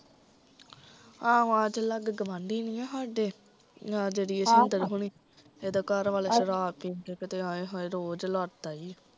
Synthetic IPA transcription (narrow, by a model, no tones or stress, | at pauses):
ãːad͡ʒləɡɡəʋãːɳɖiːniːɛ̃ːɦaːɖeː | ãːd͡ʒeːɽiːəsiənd̪əɾɦuɳ̃iː | eːd̪aːkəɾʋaːleːʃəɾaːpĩːd̪ekət̪eːaːeɦɔːeːɾoːd͡ʒlɔːʈd̪aːiː